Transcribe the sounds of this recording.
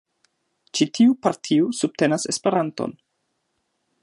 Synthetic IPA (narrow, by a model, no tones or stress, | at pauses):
t͡ʃitʰiupaɾtʰiusub̚te̞nase̞spe̞ɾanto̰n